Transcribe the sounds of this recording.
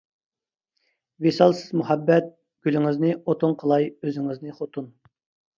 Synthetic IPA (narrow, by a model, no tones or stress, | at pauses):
vesɑlˠsɪzmuhɛbːɛt̪̚ | ɡ̥ʲylɪŋɪznɪot̪ʰʊŋqʰəlˠɑjøzɪŋɪznɪχot̪ʰun